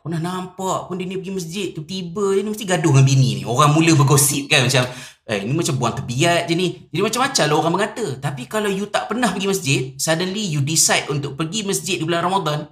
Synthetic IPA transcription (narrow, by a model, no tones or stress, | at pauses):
pənahnampaʔpʊndənipəɡiməs̬d͡ʒɪt̪̚ːut̪ibəəniməst̪iɡadʊhŋanbinḭnḭoɾaŋmuləbəɡosɪp̚kanmat͡ʃam | əinimat͡ʃambuant̪ərbiaʔ̪̚d͡ʒənid͡ʒadimat͡ʃamːat͡ʃalaoɾaŋməŋat̪ət̪apikalawjut̪aʔpənahpəɡiməs̬d͡ʒɪt̪̚sadənlijudisajt̪unt̪ʊʔ̚pəɡiməsd͡ʒɪt̪̚dibəlanramad̪ɔn